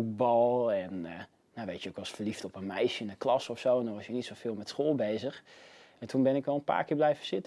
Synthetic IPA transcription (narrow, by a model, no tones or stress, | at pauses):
ut̚bɑlˠɛnː | aʋejtjəkɑsfərliftɔpənmɛjʃəɪnəklɑsɔfsowndɔnʋɔsjənitsofɪːlˠmɛtsχoːlˠbejzəx | ɛntʰunbɪnɪkʋɛlˠənpa̰ːɹkɪːɹblɛjvəsɪtə